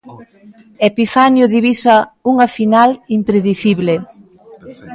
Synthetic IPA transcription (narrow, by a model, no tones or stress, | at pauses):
epifanjʊðiβisauŋafinalimpɾeðiθiβle